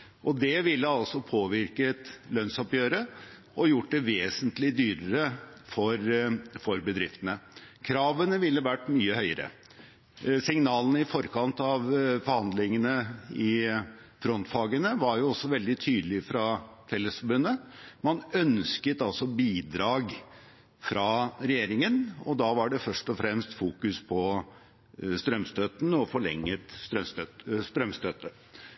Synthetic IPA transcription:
ʔɔd̪ɛʋɪlːəɑlsɔpʰoːʋɪɾkət̪lœnsɔpjøːɾə | ɔjʊʈ̚ːd̪ɛʋeːsənt̪lɪd̪yːɾəɾəfɔɾfɔɾbəd̪ɾɪft̪ənəkʰɾɑːʋənəʋɪlːəʋæʈːmyːəhœʏəɾə̰ | sɪŋnɑːlənəɪfɔɾkʰɑnt̪ɑʋfɔɾhɑnd̪lɪŋənəɪ | fɾɔnt̪fɑːɡənəʋɑɾjʊɔsːɔʋɛld̪ɪt̪ʰyːd̪əlɪfɾɑfɛlːəsfɔɾbʉnːəmɑnœnskət̪ɑlsɔbiːd̪ɾɑːɡ | fɾɑɾɛjeːɾɪŋənɔd̪ɑʋɑɖɛfœʂʈɔfɾɛmst̪fuːkʉspʰɔ | st̪ɾœmst̪øːt̪nɔfɔɭɛ̰ŋːət̪st̪ɾœmst̪øt̪st̪ɾœmst̪øt̪ə

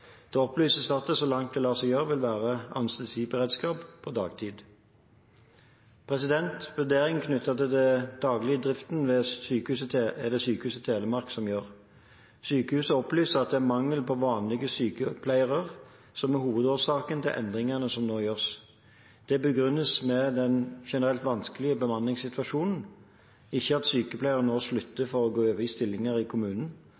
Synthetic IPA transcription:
d̪̥ɛːɔplyːsəsɑt̪̚əsɔlɑŋt̪̚d̪ɛlɑːsɛjøːʁʋɪlʋæːʁəɑ̰nst̪ɛlsiːbəʁɛd̪skɑːppʰɔd̪ɑ̰ːɡt̪ʰiːd̪ | pʰʁɛsɪd̪ɛnt̪ʋʉʁd̪eːʁɪŋkʰnʉt̪ɑt̪əd̪ɛd̪̥ɑːɡlɪəd̪ʁɪft̪nʋɛsyːkəhʉːsət̪ʰːɛd̪ɛsyːkəhʉːsət̪ʰeːləmɑʁksɔmjøːʁ | syːkəhʉːsəɔplyːsəʁɑt̪̚d̪ɛæmɑŋːəlpʰɔʋɑːnlɪɡəsyːkəpʰlæɪəʁəʁ | sɔmæɦuːʋəd̪oːsɑːkənt̪ʰɪlʔɛ̰nd̪ʁɪŋɑnəsɔmnoːjøːʁs | d̪̥ɛbəɡʁʏnːəsmɛd̪ɛnʃɛnəʁɛlt̪ʋɑnskəlɪəbəmɑnːɪŋsɪt̪ʋɑʃuːnn̩ | ɪçːəɑt̪syːkəpʰlæɪəʁənoːslʉt̪ːəfɔʁɔɡoːøːʋəɪst̪ɪlːɪŋɑʁɪkʰʊmʉːnn̩

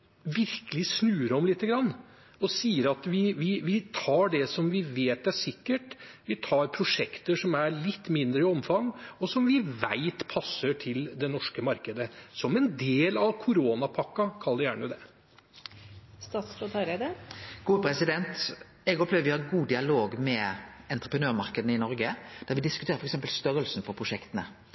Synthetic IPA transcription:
ʋɪɾkəlɪsnʉːəɾɔmlɪt̪ːəɡɾɑnː | ɔsiːəɾɑt̪ʋɪʋɪʋɪt̪ʰɑːɖɛsɔmʋɪʋeːt̪æʂɪkːəʈʋɪt̪ʰɑːɾpʰɾʊʂɛkt̪əʂɔmæɭɪt̪ːmɪnd̪ɾəɪɔmfɑŋːɔsɔmʋɪʋæ̰ɪt̪pʰɑsːəʈʰɪld̪ɛnɔʂkəmɑɾkəd̪əsɔmɛnd̪eːlɑʋkʰʊɾoːnɑpʰɑkːɑkʰɑld̪ɛjæːɳəd̪ɛ | st̪ɑːt̪sfɾɔt̪ɑɾeːd̪əɡ̥uːpɾɛsɪd̪ɛnt̪ | ɛɡɔplɛʋəɾʋɪhɑɾɡuːd̪ɪɑloːɡmɛɛnt̪ɾəpʰɾənøːɾmɑʁkəd̪ənəɪnɔɾɡəd̪̥æʁɾʋɪd̪ɪskʉt̪ʰeːɾəfɾɛksɛmpəlst̪œɾəlsn̩fɔpʰʁʊʂɛkt̪ənə

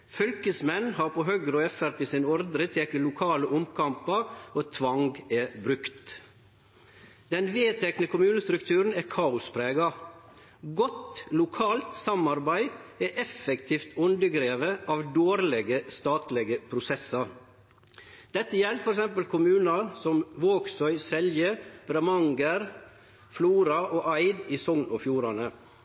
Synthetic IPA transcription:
fʏlkəsmɛnːhɑːɾpʰoɦœɡɾɔɛfæɾpɪsɪnɔɾd̪ɾət̪ʰeːkəlʊkʰɑːləʔʊmkʰɑmpɑɾoːt̪ʰʋɑŋɡɛbɾʉkt̪ | d̪̥ɛnʋeːt̪ʰɛknəkʰʊmʉːnəst̪ɾʉkt̪ʰʉːɾən̩ɛːkʰɑːʊspʰɾeːɡɑ | ɡɔt̪lʊkʰɑːlt̪sɑmɑɾbæɪɛʔɛfːɛkt̪ʰiːft̪ʉnd̪əɡɾeːʋəʔɑːʋd̪oːɾlɛɡəst̪ɑːt̪lɛɡəpʰɾʊsɛsɑɾ | d̪̥ɛt̪ːəjɛlfɔɾɛksɛmpəlkʰʊmʉːnɑsɔmʋoːksœʏsɛljəbɾɛmɑŋɡəɾ | fluːɾɑʔoːʔɑɪd̪iːsɔŋnɔfjuːɾɑnə

